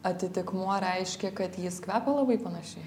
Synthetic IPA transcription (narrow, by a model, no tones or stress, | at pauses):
ɐt̪ʲɪt̪ʲɪkmuɔɾʲɛɪʃʲkʲɛkɐt̪jɪskʋʲæːpʲɛlˠɐbɐɪpɐnɐʃʲɛɪ